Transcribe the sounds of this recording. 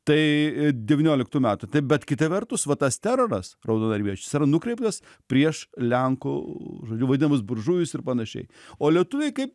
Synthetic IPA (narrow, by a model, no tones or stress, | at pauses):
t̪ɐɪd̪ʲɛʋʲiːnʲoːlʲɪkt̪uːmʲæːt̪ʊt̪ɐɪbʲɛt̪kʲɪt̪ɐʋʲɛrt̪ʊsʋɐt̪ɐst̪ʲæɾoːɾɐsrɐʊd̪oːnɐɾʲʋʲiɛt͡ʃʲʊsɪɾɐnʊkɾʲɛɪp̚t̪ɐs | pʲɾʲiɛʃlʲɛŋko̰ːʒoːd͡ʒʲʊʋɐd̪ʲɪnɐmɐsbʊɾʒujʲʊsɪrpɐnɐʃʲɛ̰ɪoːlʲiɛt̪ʊʋʲɛɪkɐɪp